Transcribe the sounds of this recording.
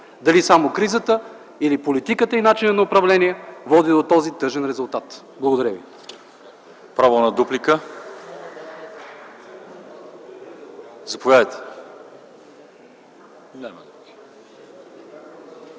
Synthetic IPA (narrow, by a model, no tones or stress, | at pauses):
d̪ɐlisamokɾizət̪ə | ilipolit̪ikət̪əinat͡ʃinənɐʊpɾɐvlɛniɛvɔd̪id̪ot̪ɔzit̪ɤʒɛnɾɛzʊlˠt̪at̪ | blˠɡoʊd̪ɐɾəvḭ | pɾavənɐd̪uplikə | zɐpovʲjad̪əjt̪ɛ̥